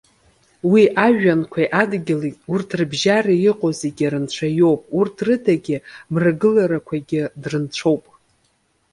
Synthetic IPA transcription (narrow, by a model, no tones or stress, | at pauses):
wiʔaʒᶣankʷʰajʔadɡʲɪlitʼurtʰrbʒaraiqʼozeɡʲiɾɨnt͡ʃʷʰajo̞wpʼurtʰrɨdaɡʲɪmraɡɨlaɾakʷʰaɡʲɪdrɨnt͡ʃʷʰo̞wpʼ